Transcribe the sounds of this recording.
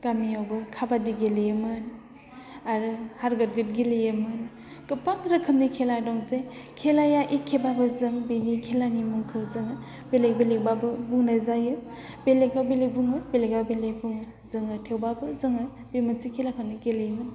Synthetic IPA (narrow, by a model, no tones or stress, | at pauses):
ɡ̥amijawbɯkʰabadiɡelejemɯn | aɾɯhaɾɡɯt̚ɡɯt̚ɡilejemɯn | kɯpaŋɾɯkʰɯmnikʰeladɔŋzekʰelajaʔikʰːebabɯzɯŋbinikʰelanimuŋkʰɯwzɯŋɯ | belek̚belek̚babɯbuŋnazajɯ | beleɡawbelek̚buŋɯbeleɡawbelek̚buŋɯ | zɯŋɯtʰewbabɯzɯŋɯ | bimɯnsikʰelakʰamniɡelejmɯn